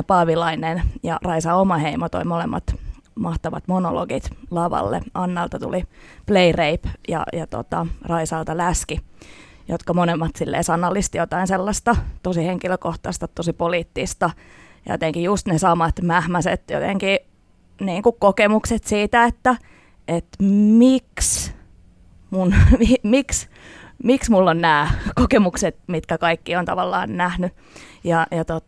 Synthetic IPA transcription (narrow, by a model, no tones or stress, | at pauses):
pɑʋilɑinenjɑ̰rɑisɑomɑheimot̪o̰limolemːɑ̰t̪mɑht̪ɑʋɑ̰t̪mono̰lo̰ɡit̪lɑʋɑ̰lːḛɑnːɑlt̪ɑt̪ṵlipleireipjɑ̰jɑt̪o̰t̪ɑrɑisɑːlt̪ɑlæski | jo̰t̪kɑmonemːɑt̪silːḛːsɑnːɑlːist̪ijot̪ɑinselːɑst̪ɑt̪osiheŋkiløkoht̪ɑst̪ɑt̪osipoliːt̪ːist̪ɑ | jo̰t̪eŋkijust̪nesɑmɑt̪mæhmæsḛt̪jo̰t̪ḛŋki | niːŋkukkokemukset̪siːt̪æet̪ːæ | et̪miks | munmimiks | miksmulːonnæːkokemukset̪mit̪kækɑikːiont̪ɑ̰ʋɑlːɑ̰ːnnæhny | jɑjɑt̪ot̪